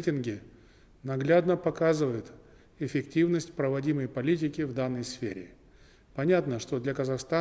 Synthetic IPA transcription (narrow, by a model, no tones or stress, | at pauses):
tʲɪnɡʲɪ | nɐɡlʲad̪nəpɐkazɨvəjɪt̪ | ɪfʲɪktʲivnəsʲtʲpɾəvɐdʲiməjpɐlʲitʲɪkʲɪvd̪anːəjsfʲḛɾʲɪ̰ | pɐnʲat̪nəʂt̪o̞d̪lʲɐkəzɐxst̪a